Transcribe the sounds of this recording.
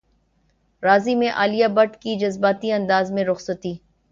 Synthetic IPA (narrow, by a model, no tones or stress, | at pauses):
ɾaːzimẽʔaːlijabɐʈkid͡ʒɐzbaːt̪iɐ̃nd̪aːzmẽɾʊxsət̪iː